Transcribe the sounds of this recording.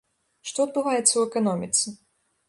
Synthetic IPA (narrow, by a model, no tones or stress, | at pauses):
ʂt̪ɔɐd̪̚bɨvajɛt̪sːɐwɛkanɔmʲit̪sʲɨ